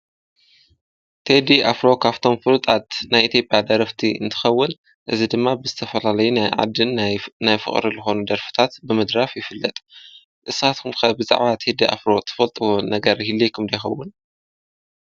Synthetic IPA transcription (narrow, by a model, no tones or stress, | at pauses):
t̪ʰed̪iʔa̰fɾo̞kʰaβt̪ʰo̞mfɨlut̪ʼat̪najʔit̪ʰjo̞pʼjad̪ɐɾɐft̪ʰiɨ̰nt̪ʰɨ̥xɐwːʊn | ʔɨzid̪ɨmːabɨzɨt̪ʰɐfɐlalɐjujʕa̰d̪ːɨnnajfɨ̰χʼɾizɨxo̞nud̪ɐɾfɨ̥t̪ʰat̪bɨmɨd̪ɾafjɪfɨlːɐt̪ʼ | ʔɨsat̪kʰumkɐbɨza̰ʕβat̪ʰed̪iʔa̰fɾo̞t̪ʰɐ̥fɐlt̪ʼɨwonɐɡɐɾhilːekʰumd̪ɐjxɐwːʊn